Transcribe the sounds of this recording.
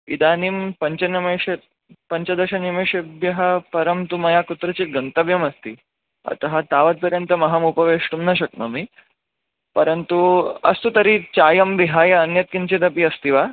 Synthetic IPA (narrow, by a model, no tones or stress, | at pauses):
id̪aːnimpɐɲt͡ʃɐnɐmeːʃet̪ | pɐɲt͡ʃɐd̪ɐʃɐnimeːʃɐbjɐɦɐ̆pɐɾɐmt̪umɐjaːkut̪ɾɐt͡ɕit̪̚ɡɐnt̪ɐʋjɐmɐst̪i | ɐ̰t̪ɐɦɐt̪aːʋɐt̪̚pɐɾjɐnt̪ɐmɐɦɐmupɐʋeːʂʈumnɐʃ̬ɐk̚nɐmi | pɐɾɐnt̪uɐ̰st̪ut̪ɐɾit͡ɕaːjɐmʋiɦaːjɐːnjɐt̪̚kint͡ʃid̪ɐpiɐst̪iʋaː